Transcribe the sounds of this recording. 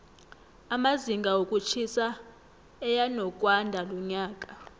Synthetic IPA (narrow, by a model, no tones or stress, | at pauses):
amaziŋɡʱaokʼut͡ʃʰisa | ɛjanɔkʼwandʱalɔɲaːkʼa